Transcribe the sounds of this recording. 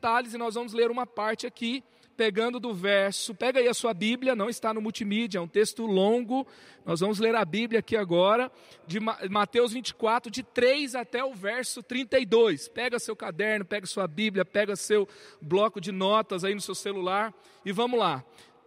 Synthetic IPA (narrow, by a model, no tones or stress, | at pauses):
t̪alɪzɪnɔzvɐ̃mʊzleɾũmɐpaɾt͡ʃɪaki | peɡɐ̃nd̪ʊd̪ʊvɛɾsʊpɛɡɐaiɐsuɐbiblʲjɐnɐ̃w̃ɪst̪anʊmuwt͡ʃimid͡ʒɐɛũt̪est̪ʊlõɡʊ | nɔzvɐ̃mʊzleɾɐbiblʲjɐakiaɡɔɾɐ | d͡ʒɪmamat̪ewzvĩt͡ʃɪ̥kwat̪ɾʊd͡ʒɪt̪ɾejzat̪ɛʊvɛɾsʊt̪ɾĩnt̪ejd̪ojspɛɡɐsewkad̪ɛɾnʊpɛɡɐsuɐbiblʲjɐpɛɡɐsewblɔkʊd͡ʒɪnɔt̪ɐzainʊsewselulaɾ | ɪvɐ̃mʊzla